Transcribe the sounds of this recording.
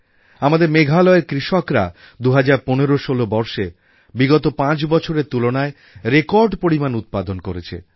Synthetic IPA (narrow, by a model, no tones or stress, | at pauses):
amad̪eɾmeɡʱalɔeɾkɾiʃɔkɾa̰ | d̪uɦad͡ʑaɾponeɾoʃolobɔɾʃe | biɡɔt̪opãt͡ɕbɔt͡ɕʰoɾeɾt̪ulonae | ɾekɔɾɖpoɾimanut̪̚pad̪onkoɾet͡ɕʰḛ